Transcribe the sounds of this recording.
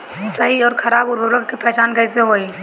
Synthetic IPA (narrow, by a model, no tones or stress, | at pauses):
sɐɦiɔːɾkʰɐɾaːbʊɾbəbləkkepɛɦt͡ʃaːnkɐɪseɦoːiː